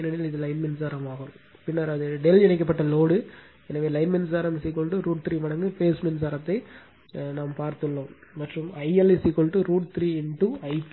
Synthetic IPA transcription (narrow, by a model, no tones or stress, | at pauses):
nːɐɽlɪðɯlɐɪnmɪnsaːɾɐmaːɣɯ̃pɪnːɐɾɐðɯɖɛlɛɳɐk̬ːɐpːɐʈːɐloːɽɯ | ɛnɐʋeːlɐɪnmɪnsaːɾɐmsiːkːɔɭʈːɯɾuːʈt̪ɾiːʋɐɳɐŋɡɯfeːsmɪns̬aːɾɐt̪ːɐɪ | naːmpaːɾt̪ɯɭːõmɐʈrɯmɐɪɐlɛsikːɔɭʈːɯɾuːʈt̪ɾiːɛɳʈuɐɪpː